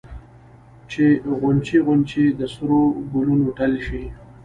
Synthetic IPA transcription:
t͡ʃeɣʊnt͡ʃiɣʊnt͡ʃid̪əsʊɾoɡulunoʈalʃi

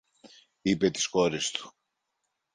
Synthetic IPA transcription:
ipe̞t̪i̥sko̞ɾest̪u̥

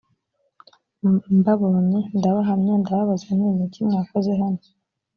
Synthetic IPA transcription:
mbaβonindaβaɦamɲendaβaβazan̥imitimaakozeɦano

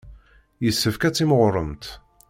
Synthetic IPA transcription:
jəsːəfkæt͡sːiməʁɾˤə̰mt̪

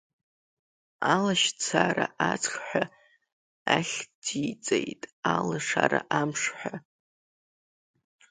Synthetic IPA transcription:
alaʃt͡sʰaɾaʔat͡sʰʼχħʷᶣa | aχʲd̥it͡sʼejtʼalaʂaɾaʔamʂħʷa

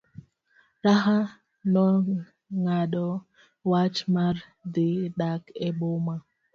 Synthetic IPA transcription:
ɾaɦa | nɔ | ŋaɗɔ | wat͡ʃmar | d̪ɪɗakɛboma

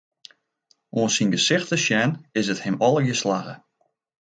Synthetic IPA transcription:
oənsinɡəsɪxtəʃjɛnɪsəthɪmɔlˠəɡjəslaɣə̰

